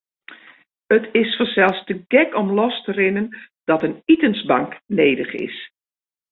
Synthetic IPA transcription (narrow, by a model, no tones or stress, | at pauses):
ətʰɪsfɔsɛlˠfstəɡɛkɔmlɔstərɪnən | d̥ɔtənitənsbaŋkneːdəχɪ̰s